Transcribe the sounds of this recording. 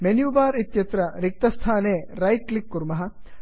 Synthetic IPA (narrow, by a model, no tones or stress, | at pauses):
menjuːbaːɾit̪jɐt̪ɾɐɾik̚t̪ɐst̪ʰaːneːɾɐjklikːuɾmɐɦɐ̆